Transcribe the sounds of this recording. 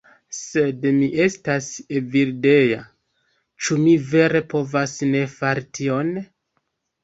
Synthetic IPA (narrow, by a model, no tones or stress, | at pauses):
se̞dmiʔe̞staseviɾde̞ja | t͡ʃumive̞ɾe̞po̞vasne̞faɾitʰio̞n